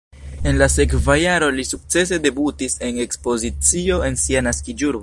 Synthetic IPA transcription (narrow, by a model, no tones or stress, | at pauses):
e̞nlase̞kvajaɾo̞lisuk̚t͡se̞s̬e̞de̞butise̞ne̞kspo̞zit͡sio̞e̞nsianaskid͡ʒuɾb